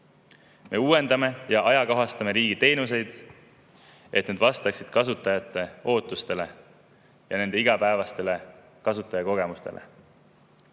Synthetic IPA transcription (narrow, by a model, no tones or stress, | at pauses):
mʔe̞uːe̞nd̪ɑme̞jɑʔɑjɑkoɦɑst̪ɑme̞ɾiːɡit̪e̞jnuse̞jd̪̥ | ʔe̞t̪ned̪vɑst̪ɑksid̪̥kɑs̬ut̪ːˑɑjɑt̪ːˑe̞o̞ːt̪ːˑust̪e̞le̞ | jɑne̞nd̪e̞iɡ̥ɑpæevɑst̪e̞le̞ | kɑsut̪ːˑɑjɑko̞ɡ̥e̞must̪e̞̰lḛ